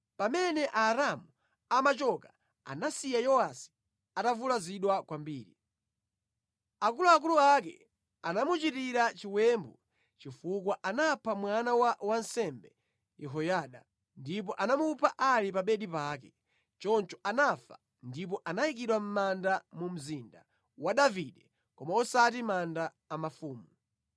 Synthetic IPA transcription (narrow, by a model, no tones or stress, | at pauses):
pamɛnɛʔaːɾamu | amat͡ʃɔka | a̰nasijajɔwasi̥ | atavulaziɗwakwambiːɾḭ | ak̬uluak̬uluak̬ɛ̰ | anamut͡ʃitiɾat͡ʃiwɛːmbɔ | t͡ʃifuk̬waʔanapʰamwanawawansɛmbɛ | jɛɦɔjaːɗa | ndip̬ɔʔanamupʰaʔalip̬aɓɛɗipaːk̬ɛ | t͡ʃɔnt͡ʃɔʔanafa̰ | ndip̬ɔʔanajik̬iɗwam̩mandamum̩zinda̰ | waɗaviɗɛ | kɔmaɔsat̬imandaːmafuːmu